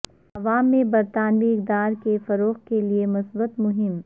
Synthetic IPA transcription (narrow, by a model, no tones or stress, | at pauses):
ɐʋaːmːẽbɐɾt̪aːnʋiɪq̚d̪aːɾkefɐɾoːqkeliemʊsbət̪mʊɦɪm